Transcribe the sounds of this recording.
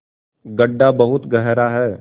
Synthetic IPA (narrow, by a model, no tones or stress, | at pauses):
ɡɐɖːabɐɦʊt̪ɡəɦɾaɦɛː